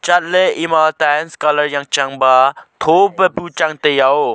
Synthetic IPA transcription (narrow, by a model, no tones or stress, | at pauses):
t͡ʃat̪̚leʔimalt̪anskaləɹjaŋt͡ʃaŋbat̪ʰopəput͡ʃaŋt̪ejao